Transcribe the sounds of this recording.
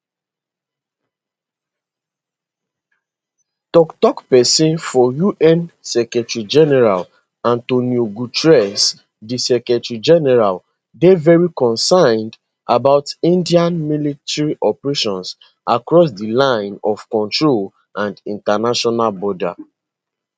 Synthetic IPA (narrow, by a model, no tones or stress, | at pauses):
tɔktɔkpɛsĩnfɔjuʔɛ̃nsɛkɹɛtɹid͡ʒɛnɛɹal | ãntonjoɡutɹɛs | disɛkɹɛtɹid͡ʒɛnɛɹal | devɛɹikɔ̃nsãɪ̃nd | abaʊtĩndiãnmilitɛɹiʔɔpɹeʃɔ̃ns | ʔakɹɔs̬dilãɪ̃nɔfkɔ̃ntɹol | ʔãndĩntanaʃɔnalbɔda̰